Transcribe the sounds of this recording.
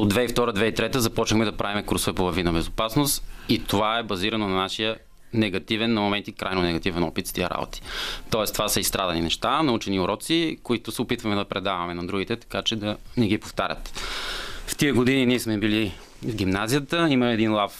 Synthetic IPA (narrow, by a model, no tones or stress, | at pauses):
od̪vɛift̪ɔɾəd̪vɛit̪ɾɛt̪əzɐpɔt͡ʃnəxmɛd̪ɐpɾavimɛkɾusvɛpolˠɐvinɐbɛzopasnost̪it̪ovaɛbɐziɾɐnonɐnaʃijə | nɛɡɐt̪ivɛnːɐmomɛnt̪ikɾʔajnonɛɡɐt̪ivɛnɔpit̪st̪iə̰ɾa̰bo̰t̪i̥t̪ɔɛst̪ovasɐist̪ɾad̪ɐninɛʃt̪anɐut͡ʃɛniʊɾɔt̪sikoit̪ʊsɛopit̪vɐmɛd̪ɐpɾɛd̪avɐmɛnɐd̪ɾuɡit̪ɛt̪ɐ̥kat͡ʃɛd̪ɐnɛɡipoft̪aɾʲə̰t̪ | ft̪iəɡod̪ininiɛsmɛbili | vɡʲimnazijət̪əimɐmɛːd̪inlˠaf